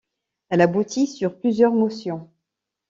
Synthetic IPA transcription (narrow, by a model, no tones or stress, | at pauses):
ɛlabut̪ʰisyʁplyzjœʁmɔsjɔ̃